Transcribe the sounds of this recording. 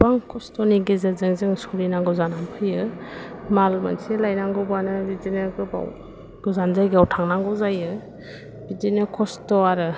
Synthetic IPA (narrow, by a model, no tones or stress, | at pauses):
baŋkʰɔstɔniɡezɯzɯŋzɯŋsuɾinaŋɡɔzanampʰɯjɯ | malma̰nselajnaŋɡɔbanɯbidinɯɡɯba̰w | ɡ̥ɔzanzajɡawtʰaŋnaŋɡɔzajɯ | bidinɯkʰɔstɔaɾɯ